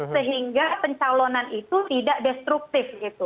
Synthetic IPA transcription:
səɦiŋɡapəɲt͡ʃalonanit̪ut̪idaʔdɛst̪ɾuk̚t̪ɪfɡit̪u

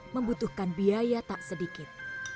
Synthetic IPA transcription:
məmbut̪uhkanbiajat̪aʔsədikɪt̪̚

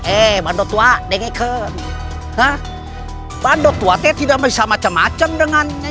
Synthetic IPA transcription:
ʔɛɓaːnɗɔt̪waɗɛŋakʰəː | ha | ɓaːnɗɔt̪uat̪ɛt̪ʰiɗaməjsamat͡ɕamaːt͡ɕəmɗɨŋan

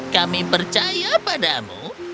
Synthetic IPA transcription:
kamipərt͡ʃajapadamṵ

